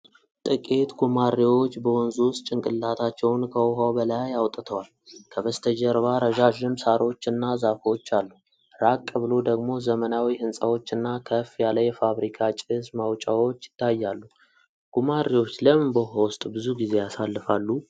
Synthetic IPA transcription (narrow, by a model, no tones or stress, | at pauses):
t̪ʼɨkʼet̪ɡumarːiwo̞t͡ʃːbəwɔnzuwst̪ʼt͡ʃʼɪŋkʼɨlːat̪ʰat͡ʃːɛwnkʰəwɦawbəlajawt̪ʼːt̪ʰəwal | kʰəβəst̪ʰəd͡ʒəɾβaɾəʒaʒɪmsaɾo̞t͡ʃːɨnːazafot͡ʃːalːu | ɾakʼːəβɨlo̞d̪əɡmo̞zəmənawihɨnsʼawo̞t͡ʃːɨnːakʰəfjaləjɛfaβɾikʰat͡ʃʼɪsmawt͡ʃʼawo̞t͡ʃːjɪ̥t̪ʰːajːalːu | ɡ̥umariwo̞t͡ʃːləmɨnbəɦowʊst̪ʼbɨzuɡize̞jasalːɨfalːu